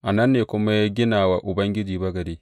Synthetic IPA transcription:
ʔa˨nɐ˦nːeː˨kʷʊ˦ma˦ja˦ɡʲɪ˦naː˨wa˨ʔʊ˨bɐ˦ŋɡʲɪ˦d͡ʒiː˨bɐ˦ɡɐ˨ɾiː˦

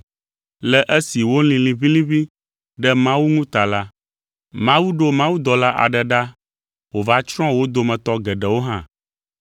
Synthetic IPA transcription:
lɛ˨ʔɛ˦si˨wo˦lĩ˨lĩ˨βi˦lĩ˦βi˦ | ɖɛ˦mã˦wu˦nũ˦t̪a˨la˦ | mã˦wu˦ɖo˦mã˦wu˦d̪ɔ˨la˦ʔa̰˨ɖɛ˨ɖa˦ | wo˨va˦t͡ʃɾ̃ɔ̃˦wo˦d̪o˨mɛ̃˨t̪ɔ˦ɡɛ˨ɖɛ˨wo˦ɦã̰˦

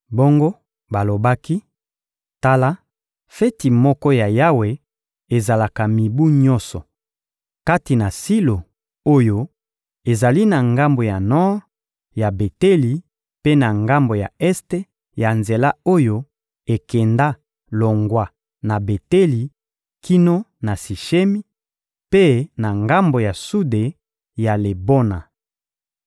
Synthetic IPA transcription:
bo˦ŋɡo˦ | ba˨lo˨ba˦ki˦ | ta˦la˦ | fe˦ti˨mɔ˦kɔ˦ja˨ja˦we˨ | e˨za˨la˨ka˨mi˨bu˦ɲɔ̃˦nsɔ˨ | ka˦ti˨na˨si˦lo˨ | o˦jo˦ | e˨za˨li˦na˨ŋɡa˦mbo˨ja˨nɔ˦ʁ | ja˨be˨te˦li˨ | pe˦na˨ŋɡa˦mbo˨ja̰˨ɛ˦ste˦ | ja˨nze˨la˦o˦jo˦ | e˨kɛ˨nda˦ | lo˨ŋɡwa˦ | na˨be˨te˦li˨ | kʰi˦no˦na˨si˨ʃe˦mi˦ | pe˦na˨ŋɡa˦mbo˨ja˨su˦de˨ | ja˨le˨bo˦na̰˨

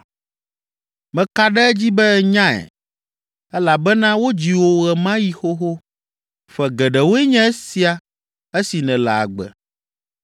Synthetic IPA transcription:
mɛ̃˨ka˦ɖɛ˦ɛ˦d͡ʑi˦bɛ˦ɛ˨ɲã˦ɛ̰˨ | ɛ˦la˨bɛ˦nã˦wo˦d͡ʑi˨wo˨ɣɛ˨mã˦ji˦xo˦ɦo˦ | ɸɛ˨ɡɛ˨ɖɛ˨wo˦ɛ˦ɲɛ̃˦ɛ˦si˦a˨ | ɛ˦si˨nɛ̃˨la̰˨a̰˨ɡ͡bɛ̰˨

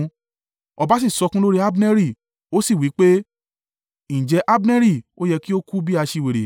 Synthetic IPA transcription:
ɔ˧ba˨˦s̬i˦˨sɔ˧kũ˦lo˦ɾi˦a˦bnɛ˦ɾi˦˨ | o˦si˦˨wi˨˦k͡pe˦ | n̩ĩ˨d͡ʒɛ˧˦ʔa˦bnɛ̃˦ɾi˦˨o˦jɛ˧ki˦o˦ku˦bi˦a˧ʃi˧˨we˨ɾe˨

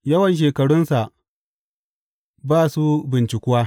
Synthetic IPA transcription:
jɐ˦wɐ˨nʃ̬eː˨kɐ˨ɽʊ˦nsa˨ʔ | baː˦su˦bɪ˨nt͡ʃɪ˨kʷʊ˦waː˦

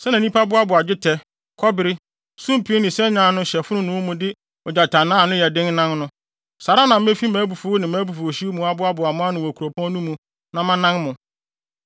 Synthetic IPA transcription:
sɛ˦nã˨nĩ˦pʰa˦bʊ˦a˦bʊ˨a˨d͡ʑᶣɪ˦tʰɛ˦ | kʰɔ˦bɪ˨ɾɪ˦ | sũ˦m˨pʰi˨˦e˦nɪ̃˨sɛ˦ɲã˨nʊ̃˦ɕɛ˨fʊ˦nʊ̃˦nʊ̃˨˦wmũ˨dɪ˦ | ɔ˨d͡ʑa˨tʰa˨nãː˦˨nʊ̃˦jɛ˨dɪ̃˦ŋnã˦nnʊ̃˦ | sa˨ɾa˦nã˨m̩˦e˦fi˦mæ̃ː˨˦bu˨fʊ˨˦nɪ̃˨mæ̃ː˨˦bu˨fu˨ɕi˦mũ˨a˦bʊ˦a˦bʊ˨a˨mʊ̃˦a˦nʊ̃˨wɔ˨ku˨o˨pʰɔ̃˦nũ˦mũ˨ | nã˨mã˦nã˦ŋmʊ̃˨

